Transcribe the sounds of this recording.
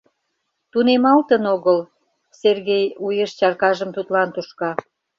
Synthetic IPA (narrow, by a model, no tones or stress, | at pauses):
t̪unemɑlt̪ənoɣəl | serɣejujeʃt͡ɕɑrkɑʒəmt̪ut̪lɑnt̪uʃkɑ